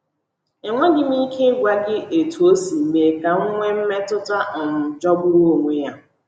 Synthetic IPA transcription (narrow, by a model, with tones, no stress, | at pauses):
e˨ŋʷe˦ɡɪ˦m˦i˦kʰe˦ɡʷa˦ɡɪ˦e˨tu˨o˦si˨m̩˨me˨ka˨ŋ̩˦ŋʷe˦m̩˦me˦tʊ˦ta˦˨m̩˨d͡ʒɔ˦bʊ˦ɾu˦o˨ŋʷe˦ja˦